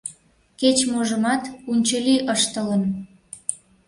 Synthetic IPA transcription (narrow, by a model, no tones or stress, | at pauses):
ket͡ɕmoʒəmɑt̪unʲt͡ɕəlʲiʔəʃt̪ələn